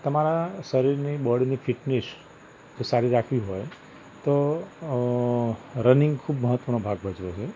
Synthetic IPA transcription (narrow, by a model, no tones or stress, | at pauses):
t̪əmaɾasəɾiɾniɓəɽnifʰɪʈnes | d͡ʒosaɾiɾakʰʋiɦɔj | t̪o | ɾənɪ̃ŋɡkʰubməɦət̪ʋənobʱaɡbəd͡ʒʋet͡ʃʰe